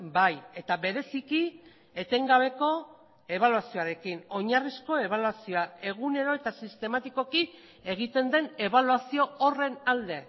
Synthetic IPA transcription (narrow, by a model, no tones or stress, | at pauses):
baje̞t̪aβe̞ɾe̞siki | e̞t̪e̞ŋɡaβ̞e̞ko̞ | e̞β̞aluasio̞aɾe̞kino̞ɲarisko̞e̞β̞aluasio̞ae̞ɣ̞une̞ɾo̞e̞t̪asist̪e̞mat̪iko̞ki | e̞ɣ̞it̪e̞nd̪e̞ne̞βaluasio̞ːre̞nald̪e̞